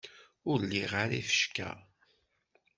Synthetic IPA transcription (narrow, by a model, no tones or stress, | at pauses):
ʊɾlːiʁaɾifə̥ʃkæ̰